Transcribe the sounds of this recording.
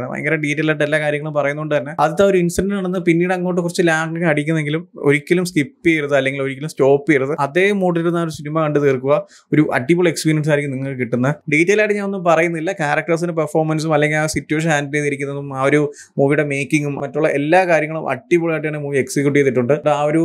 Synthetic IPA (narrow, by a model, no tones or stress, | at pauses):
ɳɐ̰mɐ̰ḛŋɡɐlɐɖiːtːɐlaːjʈːelːaːkaːɾjɐŋːɐɭumpɐrɐjunːuoɳɖɨt̪ɐnːe̞ɐðit̪ːaoɾuinsʈɐnɖnaːɳenːɨpinːiːɽɨɐŋːo̞ːʈ̬ːɨkurɐt͡ɕːɨlaːɳɡiŋɐɽikʲːunːeŋɡilumoɾikʲːɐlumstipːijiɾuðɨɐlːe̞ŋɡilo̞ɾikʲːɐlumsto̞ːpːijiɾðɨɐðe̞ːmoːʈːɐiɾunːaːoɾusinimɐkɐɳɖɨt̪eːrkːuʋɐ | o̞ɾuʔɐ̰ʈːibuɭe̞kspiːɾijɐns̬ajɾikːumniŋːɐɭkːɨkiʈːunːɐɖiːtːɐlaːjʈɨɲaːno̞nːumpɐrɐjunːɐðilːɐkaːɾɐk̚ʈɐrs̬indep̬ɐrfoːrmɐnsumɐlːe̞ŋɡilasitːjueʂ̬ɐnaːndineðɐɾik̬ʲːunːɐðumaʋɐɾu | muːʋijuɽe̞me̞ːkːiŋɡummɐtːuɭːɐʔe̞lːaːkaːɾjɐŋːɐɭumʔɐ̰ʈːibuɭaːjʈːjaːɳemuːʋieksikjuʈ̬ːieːt̪ːiʈːuɳɖɨɖaːʋɐɾu